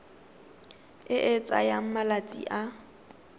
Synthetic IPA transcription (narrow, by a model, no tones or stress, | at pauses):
ɪʔɪt͡sʼa̰jam̩malat͡sʼḭʔa